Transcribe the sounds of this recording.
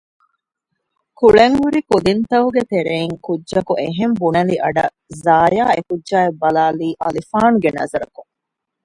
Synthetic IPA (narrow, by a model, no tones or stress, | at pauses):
kuɭeŋhuɾikud̪int̪ɐɦuɡet̪eɾeːŋkudːʒɐkuʔeɦembunɐliʔɐɖɐ | zaːjaːekudʒaːebːɐlaːliːʔɐ̰lifaːnuɡenɐ̰zɐɾɐkuŋ